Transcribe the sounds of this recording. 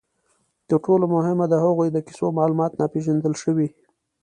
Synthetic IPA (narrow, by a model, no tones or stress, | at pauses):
d̪̥əʈolomʊɦɪmad̪əhaɣujd̪əki̥somɑlumɑt̪nɑpeʒand̪əlʃəwi